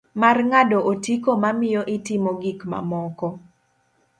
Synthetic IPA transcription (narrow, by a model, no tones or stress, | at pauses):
marŋadɔʔotikomamɪjɔʔɪtɪmɔɡikma̰mɔkɔ